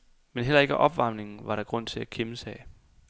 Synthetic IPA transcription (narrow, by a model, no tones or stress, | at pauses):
menɦel̰ɐe̝ɡ̥əʔɒ̽b̥ʋɑ̈m̰ne̝ŋn̩ʋɑ̈ɾɑ̈ɡ̥ʁɔ̽n̰t͡sʰe̝lækʰeməsɛː